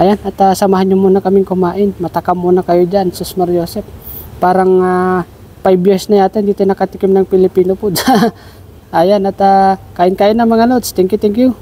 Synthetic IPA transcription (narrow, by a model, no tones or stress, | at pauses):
ʔajanɐt̪asɐmaːɦanɲʊmuːnɐkɐmɪŋkʊmaːʔɪnmɐt̪ɐkamːuːnɐkɐjod͡ʒansusmaɾjoːsɛp̚ːaːɾɐŋa | pajbjɛsnɐjaːt̪ɛnd̪iːt̪onɐkɐt̪ɪkɪmnɐŋpɪlɪpiːnopʊd̪a | ʔaːjanɐt̪akaːʔɪnkaːʔɪnːɐŋmɐŋanot̪st̪ɛŋkjut̪ɛŋkju